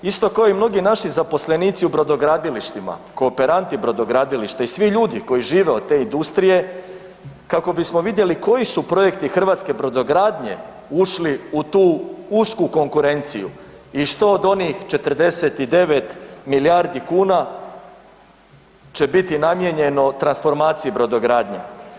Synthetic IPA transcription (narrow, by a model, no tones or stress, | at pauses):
ist̪o̞kaoimno̞ɡinaʃizapo̞sle̞niːt̪siubɾo̞d̪o̞ɡɾaːd̪iliʃt̪ima̰ko̞ːpe̞ɾant̪ibɾo̞d̪o̞ɡɾaːd̪iliʃt̪aisʋiʎuːd̪iko̞jiʒiːʋe̞o̞d̪̚t̪e̞ind̪ust̪ɾije̞ | kako̞bismo̞ʋid̪je̞liko̞isupɾo̞je̞kt̪ixr̩ʋaːt̪ske̞bɾo̞d̪o̞ɡɾaːd̪ɲe̞̰ | uʃliut̪uːuskuko̞ŋkuɾe̞nt̪sijṵ | iʃt̪oːd̪o̞niːxt͡ʃe̞t̪rd̪e̞se̞t̪id̪e̞ʋe̞t̪milijaːɾd̪ikuːna | t͡ʃe̞bit̪inamje̞ɲe̞not̪ɾansfo̞ɾmaːt̪sijibɾo̞d̪o̞ɡɾaːd̪ɲḛ